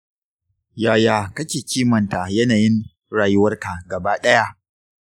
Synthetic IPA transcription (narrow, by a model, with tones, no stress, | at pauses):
jaː˨jaː˨kɐ˦kʲeː˨kʲiː˦mɐ˨nta˨jɐ˦naː˨jɪ˦ŋ | ɽaː˨jʊ˦wɐ˦rka˨ɡɐ˨baː˦ɗɐ˦ja˦ʔ